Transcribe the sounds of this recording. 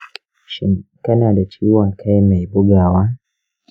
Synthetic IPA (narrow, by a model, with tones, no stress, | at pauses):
ʃi˨ka˦na˨da˨t͡ʃʰi˨˦u˦wa˨kʰa˦ɛ˦mɛ˨i˨bu˦ɡa˨wa˦